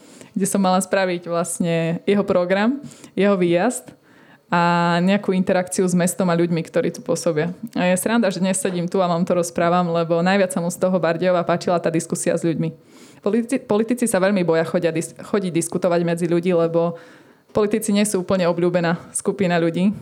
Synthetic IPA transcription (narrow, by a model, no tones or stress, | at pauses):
ɡɟɛsɔmːalaspɾaʋiɟʋlasɲɛjɛɦɔpɾɔɡɾamjɛɦɔʋiːjazt̪ | aɲɛakuːint̪ɛɾakt͡siuzmɛst̪ɔmaʎuɟmikt̪ɔɾiːt̪u̥pʊɔsɔbiaajɛsɾand̪aʒɛd̪ɲɛssɛɟimt̪uaʋamt̪ɔɾɔspɾaːʋamlɛbɔnajʋɪat͡ssamust̪ɔɦɔbaɾɟɛɔʋaːpaːt͡ʃilat̪aːd̪iskusia̰zʎuɟmi | ppɔlit̪it͡sisaʋɛʎmibɔjaxɔɟɪad̪ixɔɟiɟd̪iskut̪ɔʋaɟmɛd͡ziʎuɟiːlɛbɔ | pɔlit̪it͡siɲɪɛsuːuːpl̩ɲɛɔbʎuːbɛnaːskupinaʎuɟiː